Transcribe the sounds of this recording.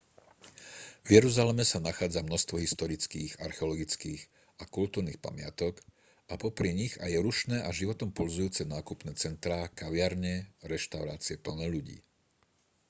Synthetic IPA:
vjɛɾuzalɛmɛsanaxaːd͡zamnɔst̪ʋɔɦist̪ɔɾit͡skiːɣaɾxɛɔlɔɡit͡skiːɣ | akult̪uːɾniːxpa̰mɪa̰t̪ɔk | ʔapɔpɾiɲiɣa̰jɛɾuʃnɛːʔaʒiʋɔt̪ɔmpɔlzujuːt͡sɛnaːkupnɛːt͡sɛnt̪ɾaːkaʋɪaɾɲɛɾɛʃt̪aʊɾa̰ːt͡siɛpl̩nɛʎuɟḭː

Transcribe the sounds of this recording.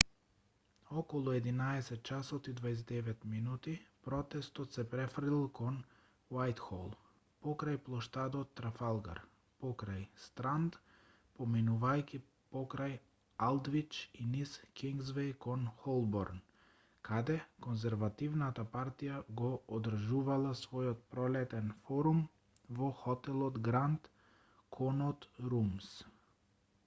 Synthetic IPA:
ɔkɔlˠuɛd̪inaɛsɛt̪̚t͡ʃasɔt̪id̪vaɛs̬d̪ɛvɛt̪minut̪ipɾɔt̪ɛst̪ɔt̪sɛpɾɛfɾd̪ilˠkɔn | wajt̪xɔ̰lˠ | pɔkɾajplˠɔʃt̪ad̪ɔt̪ːɾafalˠɡa̰ɾ | pɔkɾajst̪ɾand̪ | pɔminuvajki | pɔkɾaj | alˠd̪vit͡ʃiniskiŋɡzvɛjkɔnxɔlˠbɔɾn | kʰad̪ɛkɔnzɛɾvat̪ivnat̪apaɾt̪ijaɡɔɔd̪r̩ʒuvalˠasvɔjɔt̪̚pɾɔlɛt̪ɛnfɔɾum | vɔxɔt̪ɛlˠɔd̪ɡɾant̪ | kʰɔnɔt̪ɾums

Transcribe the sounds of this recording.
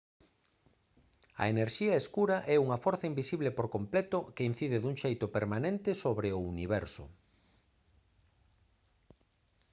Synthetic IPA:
ɐ̰eneɾʃiɐeskuɾɐʔɛuŋɐfɔɾθɐimbisiβlepoɾkomplɛt̪ʊkein̟θiðeðuŋʃejt̪ʊpeɾmanẽnt̪ɪsoβɾeʊuniβɛɾsʊ̰

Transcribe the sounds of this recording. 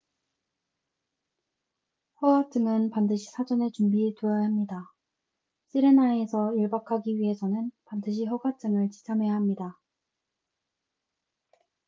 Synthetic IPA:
hʌɡat͡ɕ͈ɯŋɯnpandɯɕʰi̥sʰad͡ʑʌne̞t͡ɕumbietojʌjamɲida | ɕ͈ʰiɾenae̞sʰʌiɭbakʰaɡiɥiɦe̞sʰʌnɯnpandɯɕʰiɸʌɡat͡ɕ͈ɯŋɯɭt͡ɕi̥t͡ɕʰamɦe̞jaɦamɲida

